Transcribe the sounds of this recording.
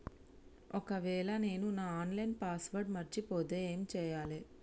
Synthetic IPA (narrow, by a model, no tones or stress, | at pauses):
ɔkɐʋɛːɭɐne̞ːnunaːaːnlɐjnpaːsʋɐɾɖmɐɾt͡ʃipoːt̪eːeːmit͡ʃɛːjaːle